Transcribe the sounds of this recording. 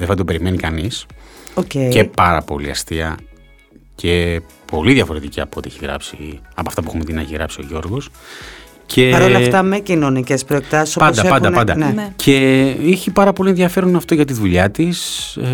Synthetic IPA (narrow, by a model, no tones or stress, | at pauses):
ðefɐd̪obe̞ɾime̞nikɐnisocecepɐɾɐ̰po̞̰liɐst̪iɐ | cʰe | po̞liðʝɐfo̞ɾe̞t̪iciɐpot̪ieçiɣɾɐ̰psiɐpɐft̪ɐp̬uxumet̪inɐeçiɣɾɐpsio̞̰ʝo̞ɾɣo̞s | cʰe̞ɐɾolɐft̪ɐmecinonicespɾoekt̪ɐsisopɐnd̪ɐpɐnɐɐnd̪ɐnecʰe̞içipɐɾɐpo̞lieðʝɐfe̞ɾonɐft̪o̞ʝɐt̪iðuʎɐt̪is